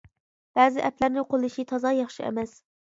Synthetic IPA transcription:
b̥æːzɪʔɛplæɾnɪqʰolˠɨʃit̪ʰɑzɑjɑχʃiɛ̰mɛs

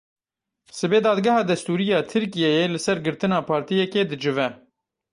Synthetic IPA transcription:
sɨbeːd̪ɑːd̪ɡɑhɑːd̪ɛst̪uːɾijɑːt̪ʰɨɾkijejeːlɨsɛɾɡɨɾt̪ɨnɑːpʰɑːɾt̪ijɛkeːd̪ɨd͡ʒɨvɛ

